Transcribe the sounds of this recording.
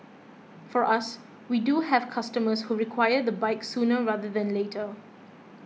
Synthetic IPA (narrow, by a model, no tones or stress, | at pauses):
fɔɹʔas | widuɦɛv̥kʰastəməshuɹikʰwaɪəd̪əbaɪksũːnəɹaðəðɛ̃nletʰə